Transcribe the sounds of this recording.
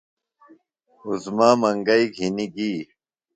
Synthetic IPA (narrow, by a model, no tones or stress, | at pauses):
uzmaːmɐŋɡɐjɡʱiniɡiː